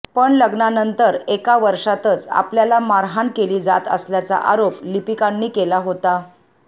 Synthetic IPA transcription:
pəɳləɡɳanənt̪əɾekaʋəɾʂat̪ət͡sa̰pljalamaɾɦankeliːd͡za̰t̪ə̰sljat͡sa̰ʔaɾoplipikaɳːiːkelaɦot̪a

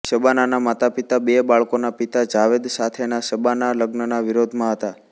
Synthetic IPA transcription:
ʃəbananamat̪apit̪abebaɭkonapit̪ad͡ʒaʋed̪sat̪ʰenaʃəbanaləɡnənaʋiɾod̪ʱmãɦət̪a

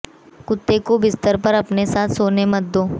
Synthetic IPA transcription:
kʊt̪ːekobɪst̪əɾpɐɾɐpnesaːt̪ʰsoːnemɐt̪̚d̪oː

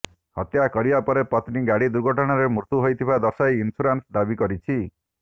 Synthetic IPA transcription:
hɔt̪jakɔɾibapɔɾepɔt̪niɡaɽid̪uɾɡʱɔʈɔɽ̃aɾemuɾt̪uɦojt̪ʰibad̪ɔsajinpʰuɾansd̪abikɔɾit͡ʃʰi

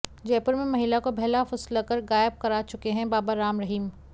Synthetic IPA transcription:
d͡ʒɛːpʊɾmẽmɐɦɪlakobʱɛɦlafɐslakɐɾɣaːɪb̚kɐɾaːt͡ʃʊkeɦɛ̃baːbaɾaːmɾɐɦiːm

